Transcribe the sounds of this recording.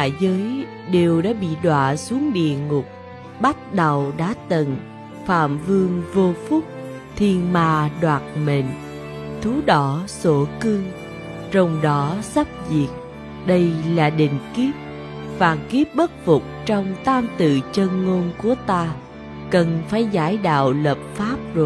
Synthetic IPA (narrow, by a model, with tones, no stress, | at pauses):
aː˧˩˨jzəː˨˦j | ɗe˨˩wɗa̰ː˧˥ɓḭ˧˨ɗwa̰ː˧˨su˨˦əŋɗḭ˧˨əŋʊ˨˩k͡p̚ | ɓa˦˥t̚ɗə˨˩wɗa̰ː˧˥t̪ə˨˩n | fa̰ː˧˨mvɨ˧əŋvo˧fʊ˦˥k͡p̚ | t̪ʰi˨˩ənmaː˨˩ɗwaː˨˩t̚me˨˩ŋ | t̪ʰu˨˦ɗɔ˧˩so˧˩kɨ˧ŋ | t͡ɕɔ˧wŋ͡mɗɔ˨˦sa˦˥p̚zḭ˨˩ək̚ | ɗə˧jlaː˨˩ɗḭ̈˧˨ŋ̟ki˦˥əp̚ | vaː˨˩ki˦˥p̚ɓə˦˥t̚vʊ˨˩k͡p̚t͡ɕɔ˧wŋ͡mt̪aː˧mt̪ɨ̰˧˨t͡ɕə˧nŋo˧nku˧˩ət̪aː˧ | kə˨˩nfaː˧˩jzaː˧˩jɗa̰ː˧˨wləː˨˩p̚faː˦˥p̚zo˨˩j